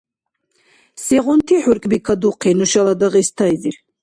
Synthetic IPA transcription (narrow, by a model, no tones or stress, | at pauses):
sɛʁɔnt̪ʰiħuɾkʼbikʰad̪uqʰɛnuʃalˠad̪aʁɛst̪ʰajziɾ